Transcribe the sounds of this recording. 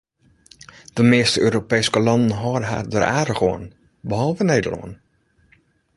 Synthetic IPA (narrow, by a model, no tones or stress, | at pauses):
d̥əmeːstəøːɾopejskəlɑndən̩ɦɔːdəɦa̰ːrdəːrʔaːɾəɣoən | bəɦɔlˠvəneːdəlɔ̰ən